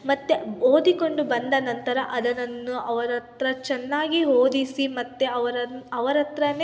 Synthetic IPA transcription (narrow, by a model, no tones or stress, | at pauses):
mɐt̪ːeoːd̪iko̞ɳɖubɐnd̪ɐnɐnt̪ɐɾɐʔɐd̪ɐnɐnːuɐʋɐɾɐt̪ɾɐt͡ʃɛnːaːɡiɦoːd̪isimɐt̪ːeɐʋɐɾɐɐʋɐɾɐt̪ɾɐne